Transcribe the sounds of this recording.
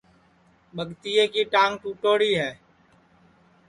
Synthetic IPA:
ɓəɠt̪iːeːkiːʈaːŋʈuːʈoːɽiːɦɛː

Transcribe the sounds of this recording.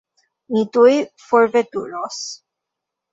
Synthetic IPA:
nit̪ujfoɾvet̪ṵɾos

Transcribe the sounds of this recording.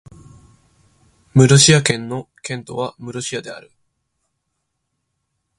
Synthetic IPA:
mɯ̟ɾoɕiakẽ̞nːo̞kẽ̞nt̪o̞βamɯ̟ɾoɕiad̪e̞a̰ɾɯ̟

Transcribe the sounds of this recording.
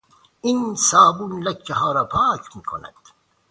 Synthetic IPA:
insɑːbunlɐkt͡ʃeɦɑːɾɑːpʰɑːkʰmiːkʰo̰næ̰d̪̥

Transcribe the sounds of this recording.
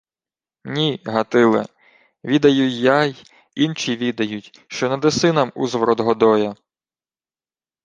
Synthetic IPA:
nʲiɦɐt̪ɪlˠɪ̰ | ʋʲid̪ɐjʊjːaj | int͡ʃʲiʋʲid̪ɐjutʲ | ʃt͡ʃɔnɐd̪esɪnɐmuzʋɾɔd̪ɦɔd̪ɔjɐ

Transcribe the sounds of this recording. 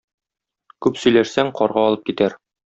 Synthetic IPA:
kʉpsɵ̆jlæʃsæŋqɒɾʁɑɒlˠɤp̚kit̪æɾ

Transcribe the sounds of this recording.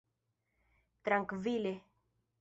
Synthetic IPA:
t̪ɾaŋkvile

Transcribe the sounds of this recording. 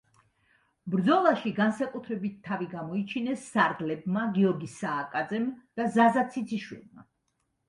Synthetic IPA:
bɾd̪zɔlˠaʃiɡansakʼut̪ʰɾɛbit̪ʰːaviɡamɔit͡ʃʰinɛsːaɾɡlɛbmaɡiɔɾɡisaːkʼad̪zɛmd̪̥azazat̪sʰit̪sʰiʃwḭlˠma̰

